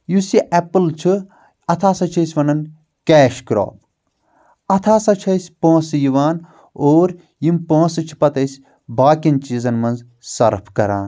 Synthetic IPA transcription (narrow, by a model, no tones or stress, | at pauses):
jusiʔɛpɨlt͡ʃʰɨ | ɐt̪ʰaːsɐt͡ʃʰɐsʲʋɐnɐn | kɛːʃkɾo̰ːb | ɐt̪ʰaːsɐt͡ʃʰɐsʲpõːsɨjiʋaːn | oːɾ | jimpõːsɨt͡ʃʰi̥pɐt̪ɐsʲ | baːkʲɐnt͡ʃiːzɐnmɐnz | sɐɾpʰkɐɾaːn